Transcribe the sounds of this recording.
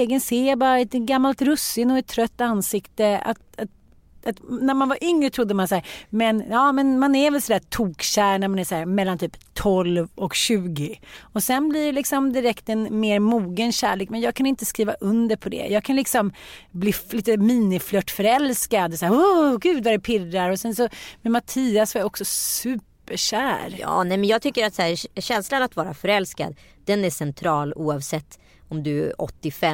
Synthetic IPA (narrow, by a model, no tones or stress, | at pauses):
eːɡənseːjabɑːɾaɛt̪ɡamːalt̪ɾɵsːɪŋɔɛt̪ʰːɾœt̪ːansɪkt̪əa̰t̪at̪ | at̪næɾmanvaɾʔʏŋɾət̪ʰɾʊd̪ːəmansæːɾmɛnjɑːmɛnmanæɾvɛlsɔd̪æːt̪ʰuːkɕæːɾɳæɾmanæsæːɾmɛlːant̪ʰyːpt̪ʰɔlvɔkɕʉ̟ːɡɪɔsɛnblɪlɪksɔmd̪ɪɾɛkt̪ɛnmeːɾmuːɡənɕæ̰ːɭeːkmɛnjɑːɡ̚kʰanɪnt̪əskɾiːvaʔɵnd̪əɾpʰɔd̪ɛ̰jɑːɡ̚kʰanlɪksɔmbliːliːt̪əmiːnɪflœʈːfœɾɛlskad̪sæːɾoɡʉ̟ːd̪vaɾɛpʰɪɾːaɾɔsɛnsɔmɛmat̪ʰiːasvaɾjɔksɔsʉ̟ːpəɕæːɾjɑ̰ːnɛmɛnjɑːɡ̚t̪ʰʏkːəɾat̪sæːɾɕɛnslanat̪vɑːɾa̰fœɾɛlska̰d̪ | d̪̥ɛnæʂɛnt̪ʰɾɑːluːɑvsɛt̪ː | ɔmd̪ɵɔ̰t̪ːɪfɛ